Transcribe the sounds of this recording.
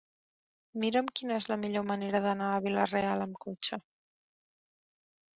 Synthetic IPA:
miɾəmkinəezləmiʎoməneɾəðənaːβ̞ilərealəmkot͡ʃə

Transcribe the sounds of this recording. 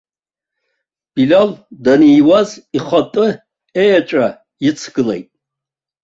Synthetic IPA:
b̥ilaldanijwaziχʷatʼɨ | ejat͡ʃʷʼa | jɪt͡sʰɡ̥ɨlḛjtʼ

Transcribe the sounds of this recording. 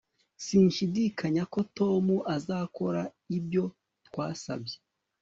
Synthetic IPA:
siːnʃidikʰaɲako̞to̞muʔazako̞ɾa | ibjo̞ | twaːsa̰bje

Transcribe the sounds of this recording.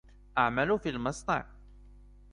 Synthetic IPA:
ʔaʕmalufilmɑsˤt̪ˤɑ̰ʕ

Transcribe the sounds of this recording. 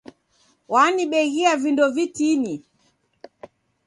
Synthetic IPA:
waniɓɛɣiavindɔvitini

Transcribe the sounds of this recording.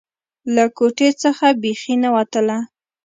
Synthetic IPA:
lakoʈet͡səxabexinawat̪əla

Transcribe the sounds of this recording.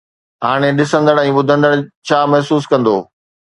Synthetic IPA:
ɦaːɽ̃eɗɪsə̃nd̪əɽɛ̃ːɓʊd̪ʱə̃nd̪əɽt͡ɕʰaːmɐɦsuːskɐ̃nd̪oː

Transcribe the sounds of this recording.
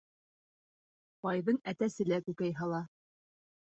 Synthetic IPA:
pɑjðɤɴæt̪æsɘ̆lækʉkæjɦɑlˠɑ

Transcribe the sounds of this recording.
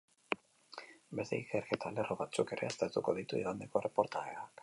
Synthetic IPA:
bezt̪eikeɾɣe̞t̪ale̞roβat͡suke̞ɾe̞ast̪eɾt̪uko̞ðit̪ueɣand̪eko̞erepo̞ɾt̪aɣeak

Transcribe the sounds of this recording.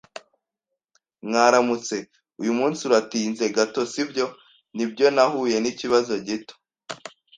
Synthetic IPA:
mŋaːɾamut͡se̞ | ujumuːnsiuɾatiːnze̞ɡato̞sibɟo̞ | nibɟo̞nahuːje̞niciβazo̞ɟito̥

